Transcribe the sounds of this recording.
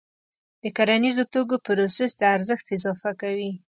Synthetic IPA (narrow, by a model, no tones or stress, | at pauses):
d̪̥əkaɾanizot̪oɡopɾosɛsd̪əaɾzəxt̪ɪzɑfakawi